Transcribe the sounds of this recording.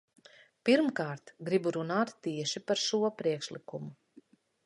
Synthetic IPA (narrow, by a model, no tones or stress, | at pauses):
piɾmkaːɾt̪ɡɾibuɾunaːt̪ːiɛʃipaɾʃuɔpɾiɛkʃlˠikumu